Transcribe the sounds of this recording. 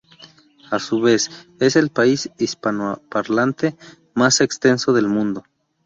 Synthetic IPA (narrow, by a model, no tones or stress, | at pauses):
asuβe̞se̞se̞lpaisispanapaɾlant̪e | masekst̪e̞nso̞ðe̞lmũnd̪o